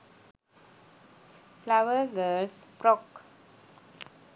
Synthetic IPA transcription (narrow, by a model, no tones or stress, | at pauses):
flaʋəɾɡəlspɾɔk